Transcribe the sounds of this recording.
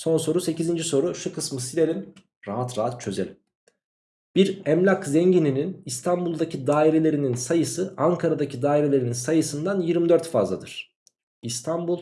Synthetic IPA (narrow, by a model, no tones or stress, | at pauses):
so̞nso̞ɾuse̞cizind͡ʒiso̞ɾuʃukʰɯsmɯsilʲeɾin | ɾaɦat̪ɾaɦat̪̚t͡ʃʰø̞zelʲi | b̥iɾɛmlʲakzɛɲɟinininist̪ʰambulˠd̪acʰid̪aːiɾe̞lʲe̞ɾininnsajɯsɯaŋkʰaɾad̪acʰid̪aːiɾe̞lʲe̞ɾininsajɯsɯnd̪anjiɾmid̪øɾt̪fa̰zlˠa̰d̪ɯɾ̥ | ist̪ʰambulˠ